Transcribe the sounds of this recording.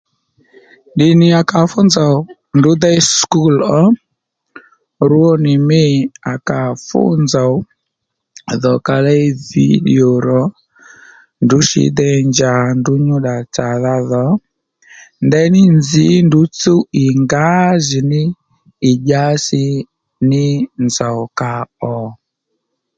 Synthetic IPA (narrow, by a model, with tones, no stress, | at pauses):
ɗi˨ni˨a˨ka˨fu˦nza˨ | ndu˨˦dɛ˦sku˦lɔ˦ | ɾu˦ɔ˦ni˨mi˦a˨ka˨fṵ˦nza˨˦ | ðɔ˨ka˨lɛ˦i˦vḭ˦ɗḭ˨o˨ɾɔ˨˦ | ndu˨˦ʃḭ˨˦dɛ˦˨ɲd͡ʒa˨ndu˦ɲu˦ɗa˨t͡sa˨ða˦ðɔ˨˦ | ndɛ˦nɪ˦nd͡zi˨˦ndu˨˦t͡su˦i˨ŋɡa˦zi˨nɪː˦˨ | ʄa˦sɪ˦ | nɪ˦nd͡za˨wka˨ɔ˨